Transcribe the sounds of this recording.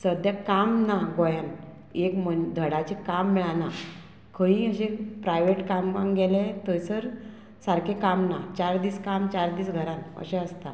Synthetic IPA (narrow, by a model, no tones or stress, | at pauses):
səd̪ʱjakamnaɡɔjan | ekmənd̪ʱəɽat͡ɕekamːiɭana | kʰəĩəɕẽpɾajʋeʈkambãŋɡɛlet̪əjsəɾ | saɾkʰekamnat͡ɕaɾd̪iːskamt͡ɕaɾd̪iːsɡʱəɾãnə̰ɕẽəst̪a